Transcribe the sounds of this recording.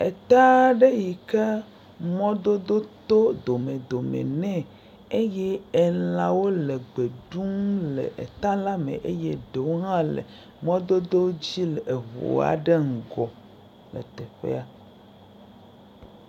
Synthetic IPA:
ḛ˨t̪a˦ɖe˦ji˨ke˦ | mɔ̃˦d̪o˦d̪o˦t̪o˦d̪o˨mẽ˨d̪o˨mḛ̃˨nɛ̃˦ | e˦jɛ˦e˨lã˨wo˦le˨ɡ͡be˨ɖu˦mlḛ˨ʔḛ˨t̪a˦la˦mḛ̃˨ʔe˦je˦ɖe˨wo˦ɦã˦lḛ˨ | mɔ̃˦d̪o˦d̪o˦d͡ʑi˦le˨vo̰˨a̰˨ɖe˦ŋ̩˨ɡɔ˨ | lɛ̰˨t̪ɛ˨ɸḛ˦a˨

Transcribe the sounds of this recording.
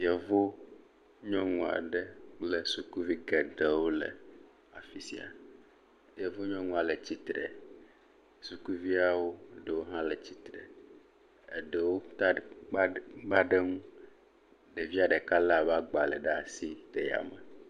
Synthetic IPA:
i˨ɛ˨vo˦ | ɲɔ̃˦ŋũ˨a̰˨ɖe˦k͡ple˦su˨ku˦vi˦ɡɛ˨ɖe˦wo˦lḛ˨ | a̰˨fi˦sḭ˦a̰˨ | je˨vo˦ɲɔ̃˦ŋũ˦˨a˨le˨t͡ɕi˦t̪ɾɛ̰˨ | su˨ku˦vi˦a˦˨wo˦˨ɖe˨wo˦ɦã˦le˨t͡ɕi˦t̪ɾḛ˨ | e˨ɖe˨wo˦t | ɡ͡ba˦ɖe˦ŋũ˦ | ɖe˨vi˦a˨ɖe˨ka˦lɛ˦˨a˨ba˦ɡ͡ba˨le˨ɖɛ˦a˨si˦t̪e˨ja̰˨me˨

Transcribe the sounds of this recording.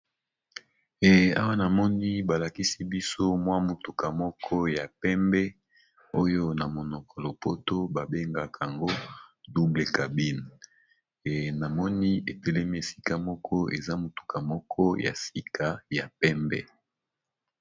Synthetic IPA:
ɛ˨a̰˦wa˦na˨mɔ˦ni˦ba˨la˨ki˦si˦bi˦so˦mwa˦mo˨tu˨ka˨mɔ˦kʰɔ˦ja˨pɛ˦mbɛ˦ | o˦jo˦na˨mo˨nɔ˨kʰɔ˨lɔ˨po˦to˦ba˨be˦ŋɡa˨ka˨ŋɡo˦du˦ble˨ka˨bi˦n˨ | na˨mɔ˦ni˦e˨te˨le˦mi˦e˨si̥˨ka˦mɔ˦kʰɔ˦ḛ˨za˦mo˨tu̥˨ka˨mɔ˦kʰɔ˦ja̰˨si˨kʰa˨ja˨pɛ˦mbɛ̰˦

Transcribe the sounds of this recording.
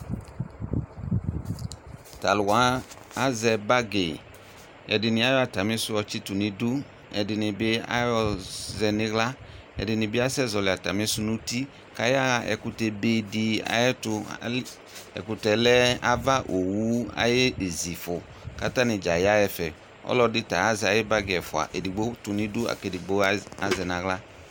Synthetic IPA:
ta˨lʊ˨wã˨˦ | a˦zɛ˨ba˦ɡe˨ | ɛ̰˨dɪ˨nɪ̃˨a˦jɔ˦a˨ta˨mɪ̃˦sʊ˦ɔ˨t͡ʃɪ˦tʊ˨nɪ̃˨du˦ | ɛ̰˨dɪ˨nɪ̃˨bɪ˦a̰˦jɔ˦zɛ˨nɪ̃˦ɣla˦ | ɛ̰˨dɪ˨nɪ̃˨bɪ˦a˦sɛ˦zɔ˨lɪ˨a˨ta˨mɪ̃˦sʊ˦nʊ̃˦ti˦ | ka˧˦ja˦a˧ʔɛ̰˧ku˧tɛ˧be˧di˧a̰˨jɛ˦tʊ̰˧˨˦ | ɛ̰˨ku˧tɛ˧lɛ˦a˦va˦ʔo˨wu˨˦a̰˨je˦e˨zi˨fʊ˨ | ka˦ta˦nɪ˧d͡ʒa˨ja˦jɛ˧fɛ˨ | ɔ̰˦lɔ˧dɪ˧ta˨a˦zɛ˧a˨je˦ba˦ɡɛ˨fʊ˨a̰˨ʔe˨di˨ɡ͡bo˦tu˧ni˧du˦a̰˨ke˧di˨ɡ͡bo˦a˨˦zɛ˧na˧ɣla˦

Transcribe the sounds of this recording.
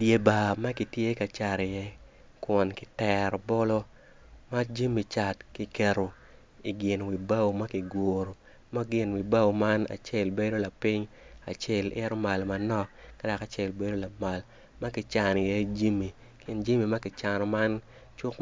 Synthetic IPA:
dje˨ba˨ma˦ki˨tje˦ka˨t͡ʃa˨ɾɪ˨jɛ˦ | kwɔ˨nkɪ˨tɛ˨ɾɔ˨bɔ˦lo˦ | ma˦d͡ʒi˦mi˨t͡ʃa˨tki˨kɛ˨ɾo˨ | i˨ɡɪ˨nwi˨ba˦wo˨ma˦ki˨ɡo˨ɾo˨ | ma˦ɡɪ˨nwi˨ba˦wo˨ma˦na̰˨t͡ʃɛ˦˨lbe˦do˦la˨pi˦ɲa̰˨t͡ʃɛ˦lʔɪɛ˦ɾɔ˦ma˨lma˨nɔ˦ka˦da˨ka˨t͡ʃɛ˦˨lbe˦do˦la˨ma˨l | ma˦kɪ˨t͡ʃa˨nɪ˨jɛ˦d͡ʒi˦mi˨ | kɪ˦nd͡ʒi˦mi˨ma˦kɪ˨t͡ʃa˨nɔ˨ma˦n | t͡ʃʊ˦k

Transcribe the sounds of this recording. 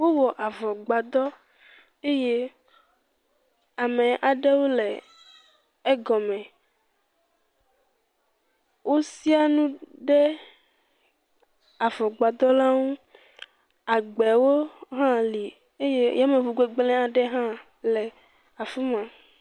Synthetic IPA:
wo˦wɔ˨ʔa˨vɔ˨ɡ͡ba˨d̪ɔ˦ | e˦je˦ | a˨mɛ̃˨ʔa˨ɖɛ˦wo˦lɛ˨ | ɛ˦ɡɔ˨mɛ̃˨ | wʔo˦si˦a˦nũ˦ɖɛ˦ | a˨vɔ˨ɡ͡ba˨d̪ɔ˦la˦wu˦ | a˨ɡ͡bɛ˨wo˦ɦã˦li˨ | e˦je˦ja˦mɛ̃˨vu˨ɡ͡be˦ɡ͡blɛ̃˦a˨ɖɛ˦ɦã˦ | lɛ˨ | a˨fu˦mã˨

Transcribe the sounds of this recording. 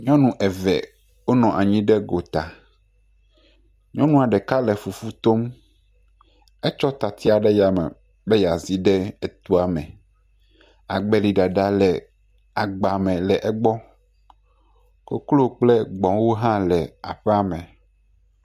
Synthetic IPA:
ɲɔ̃˦nũ˨ʔɛ˨vɛ̰˨ | wo˦nɔ̃˨ʔa˨ɲĩ˦ɖɛ˦ɡo˨t̪a˨ | ɲɔ̃˦nũ˦a˨ɖɛ˨ka˦lɛ˨fu˨fu˦t̪o˦m | ɛ˦t͡ʃɔ˦t̪a˨t̪ʰi˦a˨ɖɛ˦ja˨mɛ̰̃˨ | be˦ja˨zi˦ɖɛ˦ɛ˨t̪u˦a˨mɛ̰̃˨ | a̰˨ɡ͡bɛ˨li˨ɖa˨ɖa˨lɛ˨ | a˨ɡ͡ba˨mɛ̃˨lɛ˨ʔɛ˦ɡ͡bɔ˦ | ko˦klo˦k͡plɛ˦ɡ͡bɔ̃˨wo˦ɦã˦lɛ˨a̰˨ɸɛ˦a˨mɛ̃˨

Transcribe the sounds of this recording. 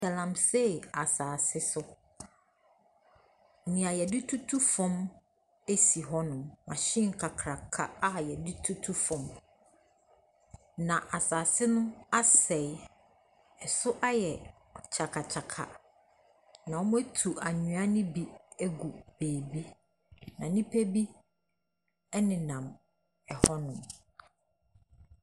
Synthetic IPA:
sa˨lã˨mse˦˨a˨saː˨sɪ˦sʊ˦˨ | nĩ˨a˨jɛ˨dɪ˦tʰu˦tʰu˦fɔ̃˦m | e˦si˨ɦɔ˦nʊ̃˨mã̰˨ɕɪ̃˦ŋ̩˨kʰa˨kʰɾa˨kʰa˦a˦˨jɛ˨di˦tʰu˦tʰu˦fɔ̃˨m | nã˨ʔa˨saː˨sɪ˦nʊ̃˦a˦sɛ˨ɪ˨ | ɛ˨sʊ˦ʔa˦jɛ˨ | t͡ɕʰa˨kʰa˨t͡ɕʰa˨kʰa̰˨ | nã˨ɔ˦m̃˦æ˦tʰu˨a˨ɲũ˨a˦nɪ̃˦bi˦e˦ɡu˨b̥eː˨bi˦ | nã˨nĩ˦pʰe˦bi˦ | ɛ˦nɪ̃˨nã˨m | ɛ˨hɔ˦nʊ̃˨m

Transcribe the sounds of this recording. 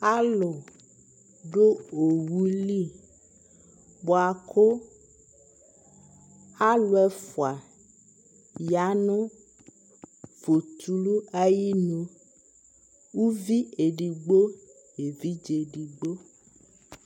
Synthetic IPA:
a˦lo˨ | ɖo˦o˨wu˦li˦˨ | bo˨a˨kʰo˦ | a˦lo˦ɛ˦fo˨a˨ | ja˨˦nõ˦ | v̥o˨t̪u˨lu˦a˨ji˦nõ˨ | wu˦vi˦e˨ɖi˨ɡ͡bo˦ | je˨vi˦d͡ʒe˨ɖi˨ɡ͡bo˦

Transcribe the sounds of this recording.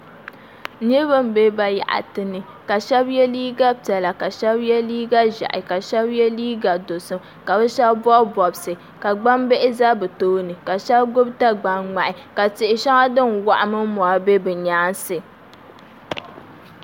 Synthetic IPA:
ɲi˦bɨ˦m̩˨be˦ba˨ja̰˨ʔa̰˨tɨ˨nɨ˨ | ka˨ʃɛ˦bjɛ˦liː˦ɡa˦tɛ˨la˨ka˨ʃɛ˦bjɛ˦liː˦ɡa˦ʒa̰˨ʔɪ̰˨ka˨ʃɛ˦bjɛ˦liː˦ɡa˨do˨sɨ˦m | ka˨bɛ˦ʃɛ˦bbɔ˦bbɔ˨bsɨ˨ | ka˨ɡ͡ba˦mbe˦ʔɪ˦za˦bɨ˨toː˦nɨ˨ka˨ʃɛ˦bɡʊ˦bta˦ɡ͡ba˨ŋŋ͡ma˨ʔɪ˨ka˨tɪ˨ʔɪ˨ʃa˦ŋa˦dɨ˦nwa˨ʔa˨mɨ˦m˦mɔ˨a˨be˦bɨ˨ɲaː˦n˦sɨ˨

